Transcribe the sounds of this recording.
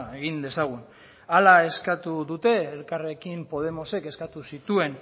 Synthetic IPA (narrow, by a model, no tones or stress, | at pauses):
e̞ɣind̪e̞saɣ̞un | alae̞skat̪uðut̪e̞ːlkare̞kimpo̞ð̞e̞mo̞se̞ke̞skat̪usit̪ue̞n